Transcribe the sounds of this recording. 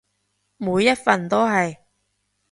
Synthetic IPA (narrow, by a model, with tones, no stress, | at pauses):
muː˨˧jːɐ˥t̚fɐ˨nt̪o˥wɦɐ˨j